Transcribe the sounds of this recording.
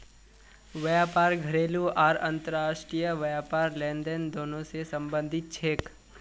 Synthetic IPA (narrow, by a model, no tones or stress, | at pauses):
ʋəjaːpaːɾɡʱɐɾeːluaːɾɐ̃nt̪əɾaːʃʈɾijəʋəjaːpaːɾlẽːnd̪ənd̪oːnõsesə̃mbə̃nd̪ʱɪt̪̚t͡ʃʰeːk